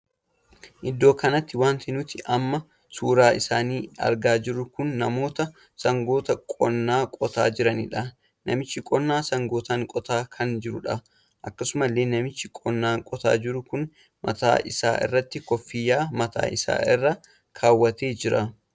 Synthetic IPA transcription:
ʔɪd̪ːo̞ːkɐnɐt̪ːɪwaːnt̪ɪnʊt̪ɪʔɐmːɐ | suːɾaːʔɪsaːniːɐ̰ɾɡaːd͡ʒɪɾʊkʊnːɐmo̞ːt̪ɐ | sɐŋɡo̞ːt̪ɐkʼɔnːaːkʼɔt̪a̰ːd͡ʒɪɾɐnḭːᶑɐ | nɐmɪt͡ʃːɪkʼɔnːaːsɐŋɡoːt̪aːŋkʼɔt̪aːkʰɐnd͡ʒɪɾʊᶑɐ | ʔɐkːɐsʊmɐlːeːnɐmɪt͡ʃːɪkʼɔnːaːŋkʼɔt̪a̰ːd͡ʒɪɾʊkʊn | mʔɐ̰t̪a̰ːʔɪsa̰ːʔɪ̰rːɐt̪ːɪkɔfːɪjːaːmɐt̪a̰ːʔɪsa̰ːɪrːɐ | kʰaːwːɐt̪eːd͡ʒɪɾɐ

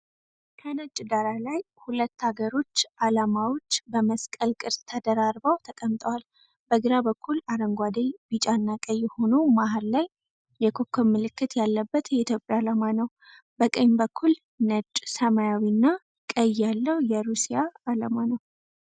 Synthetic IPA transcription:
kʰənət͡ʃʼd̪aɾalaj | hulət̪ːaɡəɾo̞t͡ʃːʔalamawo̞t͡ʃːbəməskʼəlkʼɨɾst̪ʰəd̪əɾaɾbawt̪ʰəkʼəmt̪ʼəwal | bəɡɨɾabəkʰːulaɾəŋɡʷad̪ejbit͡ʃʼanːakʼəjːɛho̞nomaɦallajː | ɛkʰokʰːomːɨlɨkːɨt̪jalːəbːət̪jɛit̪ʰjo̞pʼjalamanəw | bəkʼəɲbəkʰːul | nət͡ʃʼsəmajawinːa | kʼəjalːəwjɛɾusijaːlamanəw

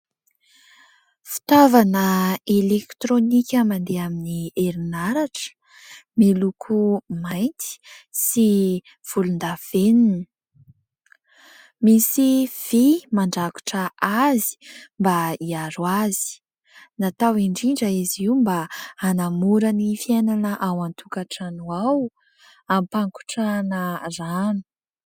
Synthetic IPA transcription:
fi̥t̪avanəelekt̪ɾonikʲamand̪eaminieɾinaɾaʈ͡ʂə̥ | melukʰumajnt̪i̥si | v̥ulund̪av̥enini | misiv̥imaɳɖ͡ʐaku̥ʈ͡ʂəazi̥mbaiaɾwazi̥ | nat̪awiɳɖ͡ʐiɳɖ͡ʐəiziwmbaːnamuɾanifienanəʔawant̪ʰukaʈ͡ʂanuaw | ampaŋku̥ʈ͡ʂanəzanu̥

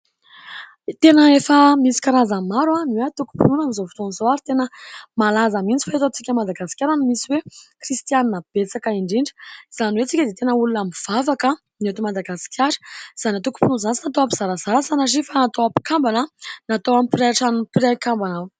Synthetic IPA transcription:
t̪enəefəmisi̥kaɾazamaɾaniat̪uku̥pinunamizofi̥t̪onizoaɾit̪enəmalazəmint͡si̥faet̪ot͡sikʲəmad̪aɡasi̥kʲaɾanimisiwekrist̪ianinəb̥et͡sakəiɳɖ͡ʐiɳɖ͡ʐi̥iz̥aniwet͡sikʲəd̪et̪enəulunamiv̥avakə | not̪umad̪aɡasi̥kʲʰjaɾə̥iz̥aniat̪uku̥pinunzant͡sinat̪owapiz̥aɾaz̥aɾasanazifanat̪owapi̥kambanənat̪owamipiɾaaʈ͡ʂanupiɾakambanaw

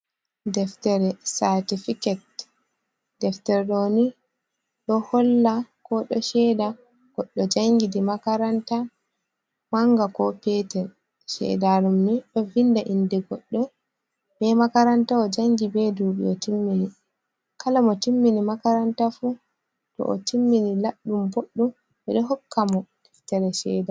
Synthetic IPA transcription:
dɛftɛɾɛsatifikɛt̚ | d̥ɛftɛɾɗoni | ɗɔhɔlːakɔɗɔ̰ʃɛda | ɡ̥ɔɗːɔd͡ʒaŋɡidimakaɾanta | maŋɡakɔpɛtɛn | ʃɛ̰daɾumːiɗɔvindaʔindɛɡɔɗːɔ | bɛmakaɾantaɔd͡ʒaŋɡibɛduːɓḭɔtimːini | kalamɔtimːinimakaɾantafu | tɔ̰ʔɔ̰timːinilaɗːumboɗːum | ɓɛɗɔɦɔkʰːamɔtiftɛɾɛʃɛ̰da

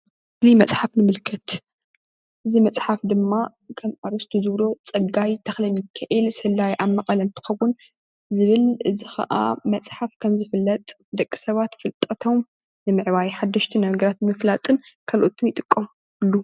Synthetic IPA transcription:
limɐt͡sʼħafnɨmɨlkʰɐt̪ | ʔɨzimɐt͡sʼħafd̪ɨmːa | kʰɐmaɾɐst̪ʰuzɨβɾo̞t͡sʼɐɡajt̪ʰɐxlɐmjɪkʰːaʔilsɨhɨlːajʔamːɐqʼɐlɐnt̪ʰɨ̥xɐwːʊn | zɨβɨlɨzixɐ̰ʔa̰mɐt͡sʼħafkʰɐmzɨfɨlːɐt̪ʼ | d̪ɐkʼːisɐβat̪fɨlt̪ʼɐt̪ʰo̞m | nɨmɨʕβajħad̪ːɐʃt̪ʰinɐɡɐɾat̪mɨflat̪ʼɨnkʰalʔot̪ʰɨnjɪt̪ʼɨkʼːɐm | ɨlːu

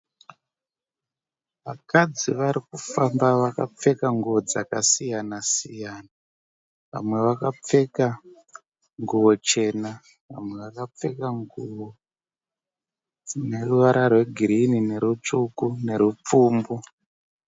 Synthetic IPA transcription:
ʋakad͡ziʋaɾikufambaʋakap͡fe̞kaŋɡuʋod͡zakasijanasijaːna | ʋa̰mwe̞ʋakap͡fe̞ka | ŋɡuwo̞t͡ʃe̞ːna | ʋa̰mwe̞ʋakap͡fe̞kaŋɡuwo | ne̞ruʋaɾʔarwe̞ɡʱiɾinine̞ɾut͡ʂukune̞ɾup͡fuːmbu

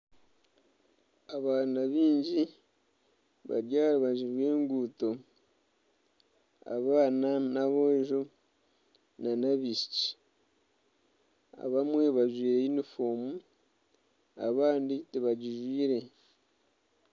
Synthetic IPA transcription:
aβaːnaβiːɲɟi | βa̰ɾjaːɾaβaʒiwe̞ːŋɡuːto̞ | a̰βaːnanaβoʒo | nanaβiʃi̥ci̥ | a̰βamwe̞βaʒwiːɾeinifoːmu | a̰βaːnditiβaɟiʒwiːɾe̞

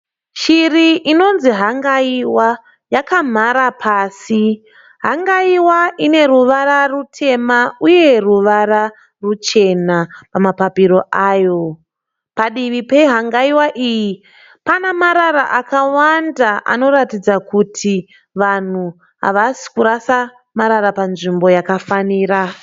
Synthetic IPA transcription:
ʃiriʔino̞nziɦaŋɡaiwa | jakam̤aɾapʰaːsi | ɦaŋɡaiwaʔine̞ɾuʋaɾarutʰe̞mauje̞ruʋara | rut͡ʃe̞napamapapiɾo̞ʔaːjo̞ | paɗiʋipe̞ɦaŋɡaiwaʔiːji | panamaɾaɾa̰ʔakawandaʔa̰no̞ɾatid͡zakutʰi | ʋan̤u | ɦa̰ʋasi̥kuɾasa | maɾaɾapanʐimbo̞jakafaniːɾa

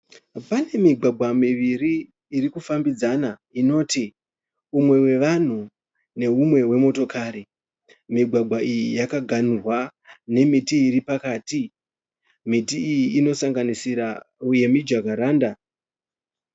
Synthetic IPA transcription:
pane̞miɡʱwaɡʱwamiʋiriː | rikufambid͡zanaino̞ːti | umwe̞we̞ʋan̤u | ne̞ɦumwe̞we̞mo̞to̞kʰaːɾi | miɡʱwaɡʱaijijakaɡʱan̤urwane̞mitiːripakaːti | mitiːjiino̞saŋɡanisiɾauje̞mid͡ʒakaɾaːnda

